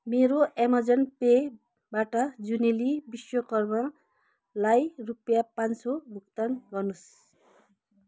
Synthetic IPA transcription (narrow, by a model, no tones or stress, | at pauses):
meɾoʔemʌd͡zʌnpe | baʈʌd͡zunelibiswʌkʌrmʌ | lajrupjapansobʱukt̪ʌnɡʌrnus